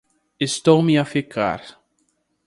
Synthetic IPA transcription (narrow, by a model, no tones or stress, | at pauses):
est̪owmiafikʰa̰ɾ